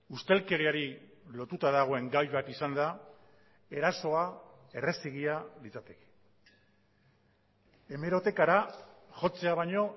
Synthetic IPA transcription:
ust̪e̞lke̞ɾiaɾilo̞t̪ut̪aðaɣ̞o̞e̞ŋɡajβat̪isand̪a | e̞ɾaso̞a | e̞re̞siɣ̞ialit͡sat̪eke̥ | e̞me̞ɾo̞t̪e̞kaɾaʝo̞t͡se̞aβ̞aɲo̞

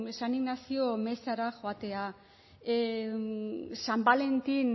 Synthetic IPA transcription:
saniɣnasio̞me̞saɾaʝoat̪e̞a | sambale̞nt̪in

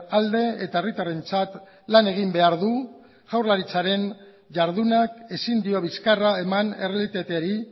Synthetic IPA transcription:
ald̪e̞et̪ae̞rit̪are̞nt͡sat̪ | lane̞ɣ̞imbe̞aɾðu | ʝ̥awɾlaɾit͡saɾe̞n | ʝaɾð̞unake̞sind̪io̞β̞iskaraemane̞relit̪at̪eɾi

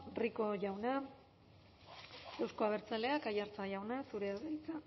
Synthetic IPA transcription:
riko̞ʝawna | e̞wsko̞aβ̞e̞ɾt͡sale̞akajaɾt͡saʝawnasuɾe̞aβejt͡sa

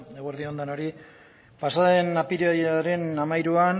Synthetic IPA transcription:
eɣweɾðio̞nd̪ano̞ɾi | pasaðe̞napiɾjaɾe̞namajɾuan

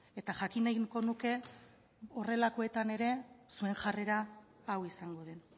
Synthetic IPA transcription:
e̞t̪aʝakinajɣko̞nuke̞ | o̞re̞lako̞e̞t̪ane̞ɾe̞sue̞ŋʝare̞ɾaː | wisaŋɡo̞ð̞e̞n

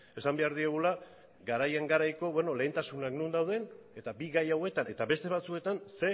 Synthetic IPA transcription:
e̞sambe̞aɾðieɣ̞ula | ɡaɾajaŋɡaɾajko̞βwe̞no̞le̞ːnt̪asunaknund̪awð̞e̞ne̞t̪abiɣajawe̞t̪ane̞t̪aβe̞st̪e̞β̞at͡sue̞t̪anse̞

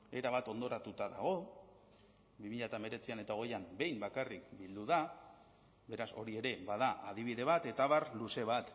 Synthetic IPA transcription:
e̞ɾaβat̪o̞nd̪o̞ɾat̪ut̪aða̰ɣ̞o̞ | bimiʎat̪ame̞ɾe̞t͡siane̞t̪ao̞ɣ̞e̞jambe̞jmbakarikbild̪uða | be̞ɾaso̞ɾie̞ɾe̞baðaʔaðiβ̞iðe̞βat̪e̞t̪aβaɾluse̞β̞at̪

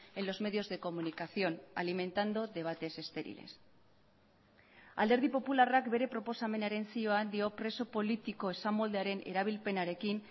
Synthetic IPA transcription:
e̞nlo̞zme̞ð̞io̞zðe̞ko̞munikaθjo̞na̰limẽ̞nt̪and̪o̞ðe̞β̞at̪e̞se̞st̪e̞ɾḭle̞̰s | a̰ld̪eɾð̞ipo̞pularakbe̞ɾe̞pɾo̞po̞same̞naɾe̞nsioand̪io̞pɾe̞so̞po̞lit̪iko̞esamold̪eaɾe̞ne̞̰ɾaβ̞ilpe̞naɾe̞kin

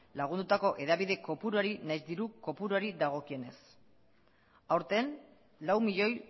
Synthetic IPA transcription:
laɣ̞und̪ut̪ako̞ʔe̞ðaβiðe̞ko̞puɾuaɾinajzd̪iɾuko̞puɾuaɾiðaɣ̞o̞kie̞ne̞s | awɾt̪en | lawmiʎo̞j

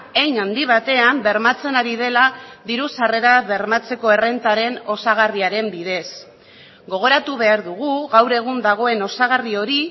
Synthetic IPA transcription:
ejnand̪iβ̞at̪e̞ambe̞ɾmat͡se̞naɾiðe̞laðiɾusare̞ɾaβe̞ɾmat͡se̞ko̞e̞re̞nt̪aɾe̞no̞saɣariaɾe̞mbiðe̞s | ɡo̞ɣ̞o̞ɾat̪uβe̞aɾðuɣuɣawɾe̞ɣ̞und̪aɣ̞o̞e̞no̞saɣ̞ario̞ɾi

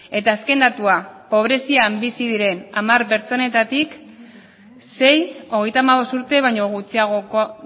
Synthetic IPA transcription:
e̞t̪aːske̞nd̪at̪uapo̞β̞ɾe̞siambisiðiɾe̞namaɾpe̞ɾt͡so̞ne̞t̪at̪ik | se̞jo̞ɣe̞jt̪amaβo̞st̪uɾt̪e̞β̞ajɲo̞ɣut͡siaɣo

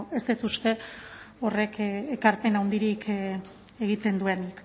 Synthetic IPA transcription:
est̪it̪ust̪e̞ | o̞re̞kekaɾpe̞nawnd̪iɾikʰ | eɣit̪e̞nd̪ue̞nik

